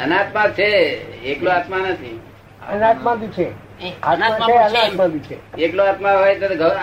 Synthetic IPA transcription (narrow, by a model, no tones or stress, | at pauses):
ənat̪mãt͡ʃʰeekloat̪manət̪ʰḭ | ənat̪mãbit͡ʃʰe | aaeənat̪mãbit͡ʃʰḛekloat̪maɦojt̪oɡʱə